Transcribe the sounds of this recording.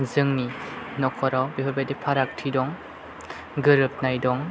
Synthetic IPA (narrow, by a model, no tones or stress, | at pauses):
zɯŋninɔkʰɔɾawbihʰɔbadepʰaɾak̚tʰidɔŋ | ɡɯɾɯp̚najdɔŋ